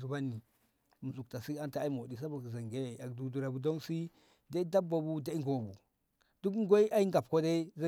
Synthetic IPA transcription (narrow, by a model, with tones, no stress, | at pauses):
zu˨ba˦nːi˨ | mu˨zu˨kta˨si˦a˦nta˨a˦i˦m˨o˨di˨s̬a˦bu˨kza˨ŋɡe˦˨a˨kdu˨du˨ɾa˨bu˨do˦nsi˦ | de˦i˦da˦bːa˨bu˦de˦ŋɡo˨bu˨ | d̥u˦kɡo˦i˦ʔa˦i˦ŋɡa˨p̚ko˦de˦za˦